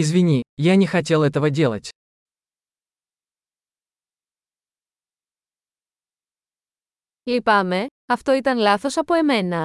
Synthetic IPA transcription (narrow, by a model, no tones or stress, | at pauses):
izvʲinʲijanʲɪxɐt̬ʲe̞lˠɛt̪əvədʲe̞lˠə̰tʲ | lipɐme̞ɐft̪o̞it̪ɐnlɐθo̞sɐpo̞e̞me̞nɐ